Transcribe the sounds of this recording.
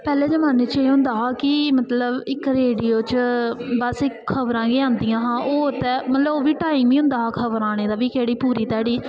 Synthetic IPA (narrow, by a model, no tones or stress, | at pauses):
pɛːleːd͡ʒəmaːnet͡ʃaːiɦʊ̃nd̪aːɦaːkɪmət̪ləbɪkɾeːɖiːoːt͡ʃbəsɪkʰːəbɾãːɡeːãːnd̪ɪjãːɦãːʔoːʊt̪ɛːmət̪ləboːʋiːʈaːimʋĩːɦʊ̃nd̪aːɦakʰəbəɾãːɽ̃eːd̪aːʋiːkeːɽiːpuːɾiːt̪ɛːɽiː